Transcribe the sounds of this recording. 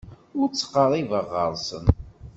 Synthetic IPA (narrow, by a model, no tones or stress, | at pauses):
ʊɾt͡sːə̥qːəɾˤivəʁːəɾˤsən